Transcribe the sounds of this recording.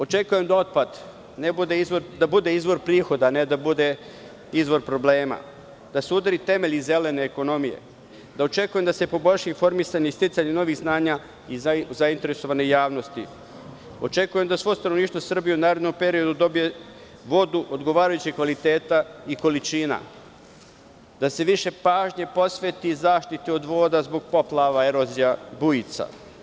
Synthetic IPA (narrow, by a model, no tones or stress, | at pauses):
o̞t͡ʃe̞kuje̞md̪ao̞t̪̚pad̪ | nebud̪e̞izʋo̞ɾd̪abud̪e̞izʋo̞ɾpɾiːxo̞d̪aːne̞d̪abud̪e̞ | izʋo̞ɾpɾo̞ble̞ːma̰ | d̪̥aseud̪ɾit̪e̞me̞ʎize̞le̞ne̞ːko̞no̞mijḛ | d̪ao̞t͡ʃe̞kuje̞md̪ase̞po̞boʎʲʃiifo̞ɾmisaɲeist̪it̪saɲeno̞ʋiɣznaːɲa | izaint̪e̞ɾe̞so̞ʋanejaːʋno̞st̪ḭ | o̞t͡ʃe̞kuje̞md̪asʋo̞ost̪anoniːʃt̪ʋo̞sr̩bijeunaːɾed̪nompe̞ɾio̞d̪ud̪o̞bije̞ | ʋo̞d̪uʔod̪ɡo̞ʋaːɾajut͡ɕikʋalit̪e̞ːt̪aiko̞lit͡ʃiːna̰ | d̪̥ase̞ʋiʃe̞paːʒɲepo̞sʋe̞t̪izaːʃt̪it̪io̞d̪ʋo̞ːd̪azbo̞ɡ̚po̞plˠaʋae̞ɾo̞zijabujit̪sa̰